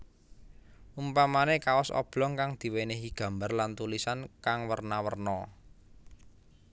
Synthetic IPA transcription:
ʔumpamanekawɔsɔ̰b̥lɔŋkaŋd̪̥i̤weneɦiɡ̥ä̤mbarlant̪ulisankaŋwərnawərnɔ

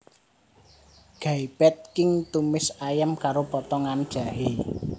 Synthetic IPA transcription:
ɡ̥aib̥ɛt̪̚kɪŋt̪umɪsajəmkaɾopɔt̪ɔŋand̥ʒ̥a̤ɦe

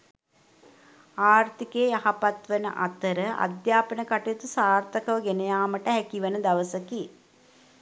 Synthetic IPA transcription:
aːrt̪ikeːjaɦapat̪ʋənə̰ʔa̰t̪əɾəʔa̰d̪jaːpənəkaʈejt̪usaːrt̪əkəʋəɡenejaːməʈəɦækiʋənəd̪aʋəsəki

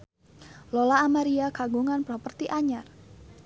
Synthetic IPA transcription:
lolaːmaɾiakaɡuŋanpɾɔpərt̪iʔaɲar

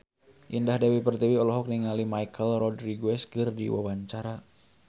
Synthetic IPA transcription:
ʔindahdawipərt̪iwiɔlɔɦɔk̚niŋalimaikəlrɔdɾiɡuɛskɨrdḭwa̰waɲt͡ʃaɾa

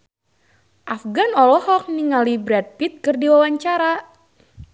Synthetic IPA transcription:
ʔafɡanɔlɔhɔk̚niŋalibɾɛd̚pit̪̚kɨrdiwawaɲt͡ʃaɾa

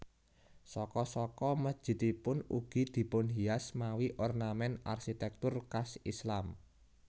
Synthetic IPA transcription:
sɔkɔsɔkɔməd̥ʒ̥i̤t̪ipʊnṵɡ̥i̤d̪̥i̤pʊnɦiasmawiʔɔrnamɛnarʃit̪ɛk̚t̪ʊrkasislam

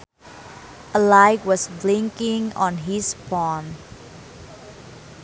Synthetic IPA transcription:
ʔəlaɪkwɔsblɪ̃ŋkɪ̃ŋɔ̰̃nɦispɔn

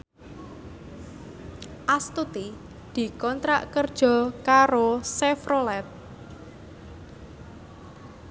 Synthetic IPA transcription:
ʔast̪ut̪i | d̪̥i̤kɔnt̪ɾa̰ʔkərd̥ʒ̥ɔ̤kaɾosɛfɾolɛt̪̚

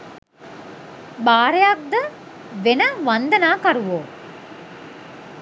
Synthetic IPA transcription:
baːɾejak̚d̪ə | ʋenəʋand̪ənaːkɐɾuʋoː

